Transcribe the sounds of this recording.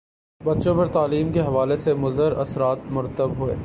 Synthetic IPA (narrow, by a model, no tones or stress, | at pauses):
bɐtːʃõpɐɾt̪aːliːmkeɦɐʋaːlesemʊzəɾɐ̰sɾaːt̪mʊɾət̪ːəbɦuḛː